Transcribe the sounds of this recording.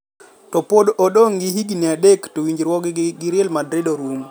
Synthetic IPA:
tɔpodɔɗoŋɡihiɡiniadektowiɲd͡ʒɾwɔɡɡiɾjɛlmadɾedoɾum

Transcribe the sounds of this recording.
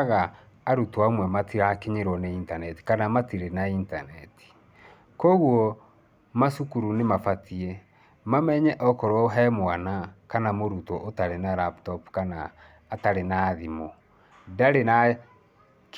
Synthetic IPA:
ɣaː | ɾutwaomwɛmatʰiakeɲeɾwɔneintanɛti̥kanamatiɾenainta̰nɛti̥ | kɔɣwɔ | masukuɾunemafatiɛ | mamɛɲɛʔɔkɔɾwɔɦɛmoanakanamoɾutɔʔotaɾenaɾaptɔpkanaː | taɾenaːðimo | daɾena

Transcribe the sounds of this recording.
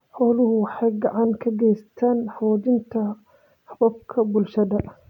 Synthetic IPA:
ħɔlʊhʊwħajɡɐʕaŋkʰɐɡɛjst̪ʰaːnħawɔd̪ɪnt̪ʰɐ | ħɐbɐb̚kʰɐbʊlʃɐd̪ɐ

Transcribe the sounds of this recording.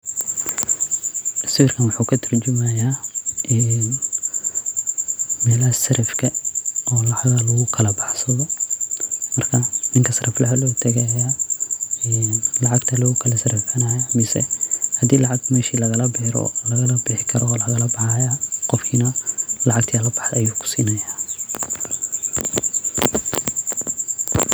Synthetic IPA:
sɪɪrkʰɐnwɑħuːkʰɐt̪ʰɐrt͡ʃʊmɐjaːʔɛːn | mɛːlɐɦɐsɐɾɐfkʰɐɔːlɑʕɣɐlɐɣʊkʰɐlɐbɑħsɐðɔ | mɐrkʰɐnɪŋkʰɐsɐrɐflɐhɐlɔːt̪ʰɐɣɐjaː | ɛːnlɑʕɑɡt̪ʰɐlʊɣʊkʰɐlɐsɐɾɐfɐnɐjamɪsɛ̰hɐd̪iːlɑʕɑɡ̚mɛːʃiːlɐɣɐlɐbɪːɾɔ̰lɐɣɐlɐbɪħɪkʰɐɾɔːlɐɣɐlɐbɑħɑjaqɔfkʰiːnɐlɑʕɑɡt̪ʰiɐlɐbɑħɐjuːkʰʊ̥siːnɐjaː

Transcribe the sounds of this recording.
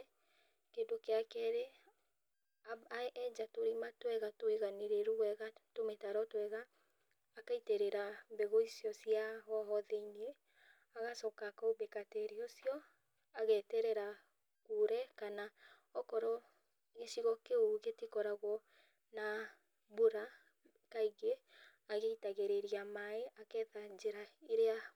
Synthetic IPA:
kedokeakɛɾe | aɛd͡ʒatoɾimatwɛɣatoeɣaneɾeɾuwɛɣatometaɾɔtwɛɣaː | kaiteɾeɾambeɣoisjɔsiaɣɔɦɔðeine | aɣasɔkakaobekatɛɾiosiɔ | aɣɛtɛɾɛɾa | kuɾɛkana | ɔkɔɾɔ | ɣeʃiɣɔkeoɣetikɔɾaɣwɔ | na | boɾa | kaiɣeː | ɣeitaɣeɾeɾiamaeʔakɛðad͡ʒeɾaeɾea

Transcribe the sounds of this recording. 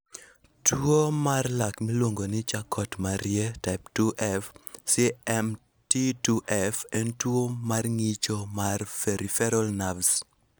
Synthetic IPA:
twomarlakmilwoŋɡonɪt͡ʃakʰɔtmaɾjɛtap̚tuʔɛfsiɛm | tituʔɛfɛntwomarŋit͡ʃomarfɛɾʔifɛɾɔlnavs

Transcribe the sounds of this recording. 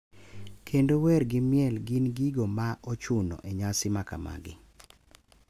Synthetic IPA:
kʰendowɛrɡɪmjɛlɡɪnɡiɡomaʔot͡ʃunɔ̰ʔeɲasɪmakama̰ɡɪ̰

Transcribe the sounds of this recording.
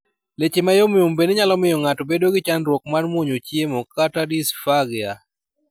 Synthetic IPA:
let͡ʃemajomɪombeneɲalɔmɪjɔŋatobedoɡɪt͡ʃanɾwɔk̚manmwoɲot͡ʃjemokatadisfaɡɪa

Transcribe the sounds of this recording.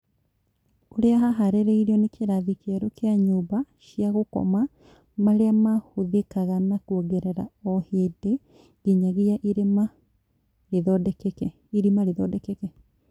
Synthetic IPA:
koɾeaɦaɦaɾeɾeiɾeɔnekeɾaðikɛɾokeaɲubaɕiaɣokɔ̰ma | maɾeamahoðekaɣanakwɔɡɛɾɛɾa̰ɔhede | ɡeɲaɣeaʔiɾema | ɾeðɔdɛkekɛ | iɾimaɾeðɔdɛkekɛ

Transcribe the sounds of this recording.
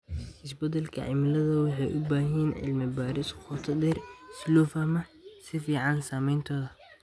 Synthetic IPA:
ʔɪsbɐd̪ɛlkʰɐ̰ʕɪ̰mɪlɐðɐwɑħɑjʔʊbaːɦɛːnʕɪ̰lmɪbaːɾɪsqʰʊt̪ʰɐd̪ɛrslɔːfaːmɐ | sɪfiːʕɑnsaːmɛjnt̪ʰɔːðɐ

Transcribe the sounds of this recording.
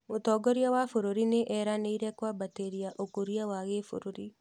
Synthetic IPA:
ʊt̪ɔːɡɔɾiawafʊɾoɾinɪʔɛɾaneiɾɛkwabateɾiaʔokuɾiawaɣefṵɾʊɾi

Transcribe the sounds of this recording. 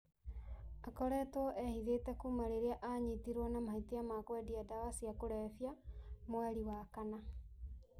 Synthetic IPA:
akɔɾɛtwɔʔɛhiðetɛkumaɾeɾeaʔaɲitiɾwɔnamahitiamakwɛdiadawasiakoɾɛfjamwaɾiwakana

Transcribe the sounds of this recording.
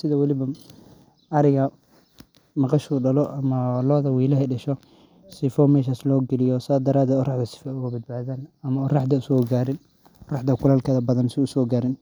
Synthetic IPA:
sɪðɐwɐlɪβɐ | ʔɐɾɪɣɐ | mɑqɑʃuɖɐlɔʔɐmɐlɔːðɐwiːlɐɦɛɖɐʃɔ | sɪfɔmɛːʃ̬aːslɔːɡɛlɪjɔsaːd̪ɐɾaːd̪ɛːd̪ɔːrɑħd̪ɐsɪ̥fɛʊɣɐbɐd̪̚baːðaːnɐmɐɔrɑħd̪ɐʊsɔːɡaːɾɪn | rɑħd̪ɐkʰʊlaːlkʰɐðɐbɐðɐnsɪʊsɔːɡaːɾɪn

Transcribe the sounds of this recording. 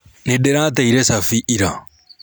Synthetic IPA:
nedeɾat̪̬eiɾesafiʔiɾa

